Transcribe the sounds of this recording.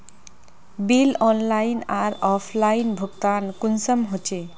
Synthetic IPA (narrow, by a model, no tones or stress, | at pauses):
bilɔnlajnaɾɔpʰlajnbʱuɡt̪ankunsəmɦot͡ɕʰe